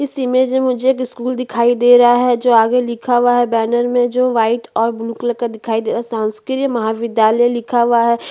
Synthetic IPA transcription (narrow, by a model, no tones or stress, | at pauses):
kɪsimẽd͡ʒemʊd͡ʒʱeeːk̬ɪskuːld̪ɪkʰaːid̪eːɾɦaɦɛd͡ʒoːaːɡelɪkʰaʋaɦɛbɛːnəɾmẽd͡ʒoːʋaːɪʈɔːɾbluːkləkəd̪ɪkʰaːid̪eːɾaɦɛsãːnskɪɾijəmɐɦaʋɪd̪jaːləjlɪkʰaʋaɦɛː